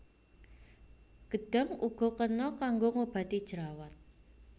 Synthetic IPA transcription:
ɡ̥ə̤d̪̥ə̤ŋuɡ̥ɔ̤kənɔkaŋɡoŋob̥a̤t̪id̥ʒ̥əɾawat̪̚

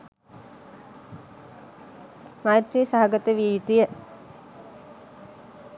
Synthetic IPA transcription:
majt̪ɾiːsaɦaɡət̪əʋit̪ijə

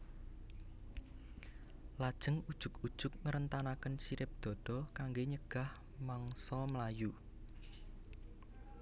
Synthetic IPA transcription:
lad̥ʒ̥ə̤ŋud̥ʒ̥ʊ̤ku̥ʒ̥ʊk̚ŋəɾənt̪anakənsiɾɪp̚d̪̥ɔ̤d̪̥ɔ̤kaŋɡeɲəɡ̥a̤h | maŋsɔmlaju

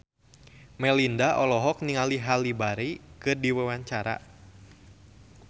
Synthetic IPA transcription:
mɛlindaʔɔlɔɦɔk̚niŋaliɦalibaɾikɨrdiwɛwaɲt͡ʃaɾa̰

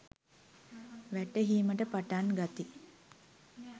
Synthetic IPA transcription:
ʋæʈəɦiːməʈəpaʈanɡat̪i

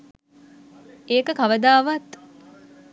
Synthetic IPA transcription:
eːkəkaʋəd̪aːʋat̪

